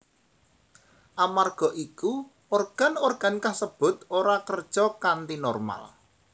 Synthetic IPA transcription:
ʔamarɡ̥ɔ̤ʔiku | orɡ̥a̤norɡ̥a̤nkahsəb̥ʊ̤t̪oɾakərd̥ʒ̥ɔkant̪inɔrma̰l

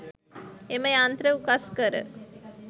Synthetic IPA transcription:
eməjant̪ɾəukaskəɾə̰

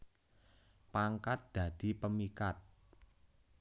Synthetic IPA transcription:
paŋkat̪̚d̪̥ä̤d̪̥i̤pəmikat̪̚

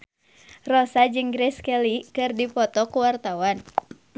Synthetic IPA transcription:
rɔsad͡ʒɨŋɡɾɛskɛlikɨrdipɔt̪ɔkuwart̪awan

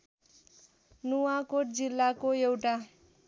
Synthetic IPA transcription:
nuwakoʈ̚d͡zilːakoewʈa

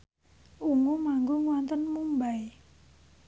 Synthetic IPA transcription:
ʔuŋumaŋɡuŋwɔnt̪ənmumbaj

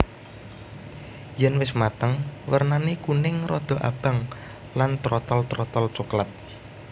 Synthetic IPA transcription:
jɛnwɪsmat̪əŋwərnanikunɪŋrɔd̪̥ɔ̤ʔa̰b̥a̤ŋ | lant̪ɾɔt̪ɔlt̪ɾɔt̪ɔlt͡ʃuklat̪̚

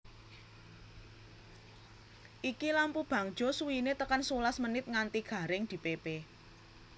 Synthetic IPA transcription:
ʔikilampub̥ä̤ŋd̥d͡ʒ̥ɔ̤suwinet̪əkansulasmənɪt̪̚ŋant̪iɡ̥ä̤ɾɪŋd̪̥i̤pepe

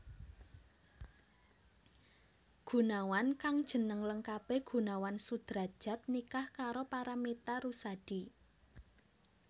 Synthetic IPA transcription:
ɡ̥ṳnawankaŋd̥ʒ̥ə̤nəŋləŋkab̥e̤ɡ̥ṳnawansud̪̥ɾa̤d̥ʒ̥ä̤t̪̚nikahkaɾopaɾamet̪aɾusad̥i

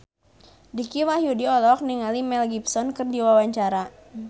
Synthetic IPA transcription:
dikiwahjudiɔlɔk̚niŋalimɛlɡipsɔnkɨrdiwawaɲt͡ʃaɾa

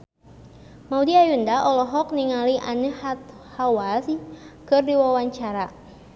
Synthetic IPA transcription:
maudiajundaʔɔlɔɦɔk̚niŋaliʔanəhat̪̚ | hawaskɨrdiwawaɲt͡ʃaɾa

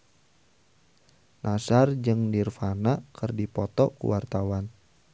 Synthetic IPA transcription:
nʔasard͡ʒɨŋdirfanakərdipɔt̪ɔkṵwart̪awan

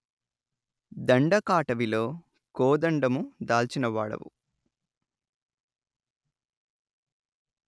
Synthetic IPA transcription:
d̪ɐɳɖɐkaːʈɐʋilo̞ː | koːd̪ɐɳɖɐmud̪aːlt͡ʃinɐʋaːɽɐ̰ʋṵ

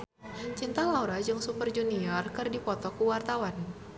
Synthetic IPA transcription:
t͡ʃint̪alauɾad͡ʒɨŋsupərd͡ʒuniɔrkɨrdipɔt̪ɔkuwart̪awan

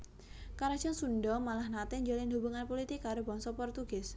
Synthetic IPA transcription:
kaɾḁd͡ʒ̥ɔnsunɖɔmalahnat̪ɛɲd͡ʒɔlɪndubuŋanpolit̪ɪkːaɾobɔŋsɔpɔrt̪uɡ̥ɪs

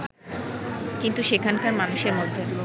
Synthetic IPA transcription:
kint̪uʃekʰankaɾmanuʃeɾmod̪ʱːe

